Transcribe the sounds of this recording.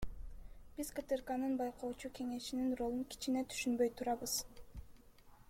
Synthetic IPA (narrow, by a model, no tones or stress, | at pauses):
b̥izkət̪ɨrkanɯnbɑjqʰoːt͡ʃuke̞ŋe̞ʃininro̞lˠuŋkʲi̥t͡ʃine̞t̪ʰy̥ʃynbø̞jt̪ʰuɾɑβɯz̥